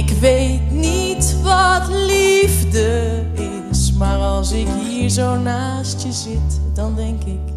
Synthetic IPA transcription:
ɪkʋejtnitʋɑtlivdə | ɪ | smaːɹɑlˠsɪkɦiːɹzownaːstjəzɪtdɑndɛŋkɪk

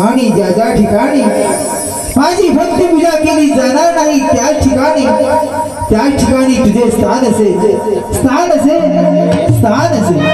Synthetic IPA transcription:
aːɽ̃iːd͡ʒaːɡaːʈʰikaːɽ̃iː | mãːd͡ʑiːbɾɐkt̪imʊd͡ʑaːkiniːzaːnaːnaːɦiːt̪jaːt͡ʃʰɪkaːniː | t̪jaːʈʰɪkaːñiːt̪ʊd͡ʒeːst̪ʰaːnɐseːst̪ʰaːnɐseːst̪ʰaːnɐseː

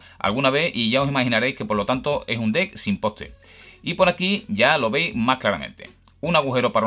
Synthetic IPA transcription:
a̰lɣ̞unaβe̞θiʝaosimahinaɾejske̞po̞ɾlo̞t̪ant̪o̞ʔe̞s̬und̪e̞ksimpo̞t̪ḛ | ipoɾakiʝalo̞βe̞jzmasklaɾamẽnt̪e̞̥̰ | unaɣuxe̞ɾo̞paɾa

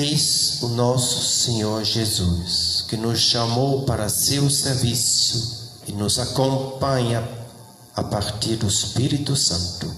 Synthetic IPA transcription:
ejzʊnɔsʊ̥seɲoɾʒezuskɪnʊsʃamowpaɾɐsewseɾvisʊ | ɪnʊzakõmpãɲɐ | apaɾt̪iɾd̪ʊispiɾit̪usɐ̃nt̪ʊ

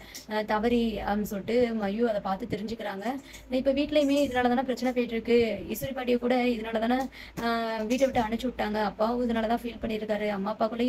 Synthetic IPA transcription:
t̪ɐʋɐɾiɐmsɔʈːɯmɐjuɐðɐpaːɾt̪ɯt̪ɛɾɪɲd͡ʒɯkːɪɾaːŋɡɐ | ɪpːoːʋiːʈːɪlɐjmeːɪðɐnaːlɐt̪aːnaːpɪɾɐt͡ʃːɐnɛpejʈːɪɾɯkːɯɪsʊɾipaːʈɪjɐ̃kuːɽɐɪðɐnaːlɐt̪ãːnaː | ʋiːʈːɐʋɪʈːɯɐɳɯt͡ʃːɯʋɪʈːaːŋɡɐːpːaːʋʊ̃ɪðɐnaːlɐt̪ãːfiːlpɐɳːɪɾɯkːaːɾɯɐmːaːɐpːaːkːʊlːɐj

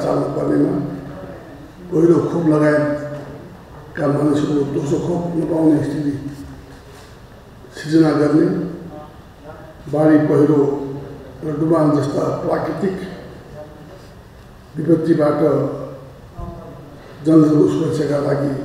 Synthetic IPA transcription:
t͡sa̰lnupʌrnema | pʌɦiɾokʰoplʌɡae | kambʱʌnesʌɾod̪osokʰopnʌpawneːsʈʰili | sit͡sʌnaɡʌrne | baɽipʌɦiɾo | rʌɖuband͡zʌst̪aprakit̪ik | bipʌt̪ːibaʈʌ | d͡zʌnsʌnuspʌksʰjʌkalaɡi

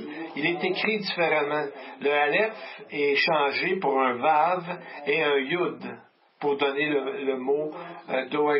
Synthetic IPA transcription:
ilɛt̪ekʁid̪ifeʁamãləalɛfɛʃɑ̃ʒepuʁɛ̃vaveɛ̃jud̪ | puʁd̪ɔnelələmod̪oɛ

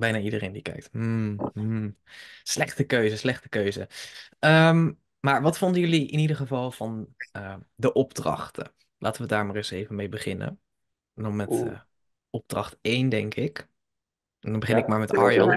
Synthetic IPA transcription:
bɛjnaːidərejndikɛ̰jk̚tm̩ | slɛχtəkøɥzəslɛχtə̥køɥzə̰əm | maːɹʋɑtfɔndəjɵliʔɪnidəɹχəvɑlˠv̥ɑnədəʔɔb̚drɑ̰χtə̰ | lʔa̰ːtəʋədaːɹmaːrɪsejvənmejbəχɪnə̰ | dɔmɛtː | ɔb̚d̥rɑχtejndɛŋkʰɪk | ndɑnbəχɪnɪk̚maːɹmɛtɑɹjɑn

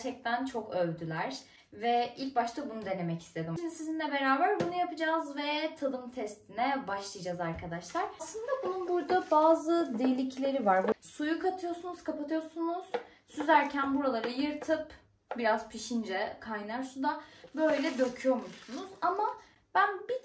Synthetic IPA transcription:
t͡ʃʰɛc̚t̪ʰænt͡ʃʰo̞køvd̪ylʲæɾ̥ | vɛilʲk̚baʃt̪ʰabunud̪e̞ne̞mɛci̥st̪ʰe̞d̪iminsizinlʲɛbe̞ɾaːbæɾbunujapɯd͡ʒaːzvɛt̪ʰad̪ɯmt̪ʰɛst̪ʰinɛbaʃlˠɯjad͡ʒazaɾkʰad̪aʃlˠaɾ̥aslˠɯnd̪abununbuɾd̪abaːzɯd̪elʲicʰlʲe̞ɾivaɾbsujukʰat̪ʰɯjo̞sunuz̥kʰapat̪ʰɯjoɾsunuz̥ | syzæɾcʰænbuɾalˠaɾɯjɯɾt̪ʰɯp | biɾaz̥pʰiʃind͡ʒɛkʰajnaɾsud̪abø̞jlʲɛd̪ø̞cʰyjo̞musunuzama | b̥ænbi

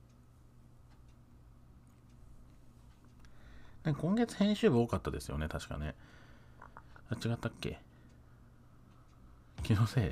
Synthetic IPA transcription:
nãŋkakõŋɡe̞t͡sɨ̥hẽ̞ɰ̃ɕɨːbɯ̟o̞ːkat̪ːad̪e̞sɨjo̞̰ne̞t̪aɕi̥ka̰ne̞ | at͡ɕiɡat̪ːakːe̞̰ | kʲʰinose̞ː

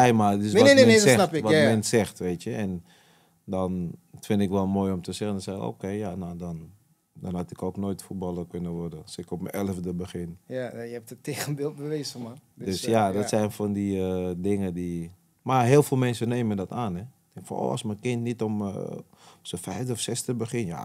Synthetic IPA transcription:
ɛjmaɪsmɛsɛɪʋɔtmɛnsɛxtʋeːtjəʔɛn | dɔnfɪntɪkʋɔlˠmoːjomtəsɛxəndɔnsɛxo̰ːkeːjanodɔn | dɔnhatɪkoːknoːjtfut̚bɔlˠərkønəʋɔrdəsɪkɔpmənɛləfdəbəxɪnjəɛp̚təteːɣənbɪlˠt̚bəʋeːzəmadøsjadɔtsɛjnfɔndiədɪŋədi | maɦeəlˠfeːlˠmɛnsəneːməndɔtaːnɛ | ɪŋkfɔ̰no̰ɔ̰smənkɪntnitɔm̰ | səfɛjfdəɔfsɛsdəbəxɪnja̰

